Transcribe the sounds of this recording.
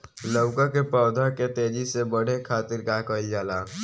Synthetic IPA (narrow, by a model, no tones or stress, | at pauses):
ləwkakepɔːd̪ʱaket̪eːd͡ʒisebəɽ̤ekʰaːt̪ɪɾkakəid͡ʒaːlaː